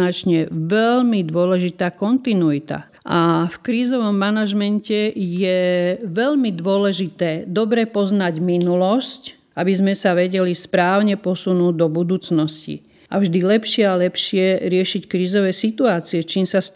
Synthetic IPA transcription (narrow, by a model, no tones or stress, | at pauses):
at͡ʃɲɛʋɛlmid̪ʊɔlɛʒit̪aːkɔnt̪inuit̪a̰ | ʔafkɾiːzɔʋɔmːanaʒmɛncɛjɛʋɛʎmid̪ʋʊɔlɛʒit̪ɛːd̪ɔbɾɛpɔznaɟminulɔsc | ʔabizmɛsaʋɛɟɛlispɾaːʊɲɛpɔsunuːd̪ɔbud̪uːt͡snɔscḭ | avʒd̪ilɛpʃɪɛalɛpʃɪɛɾɪɛʃickɾiːzɔʋɛsit̪uaːt͡siɛt͡ʃiːmsas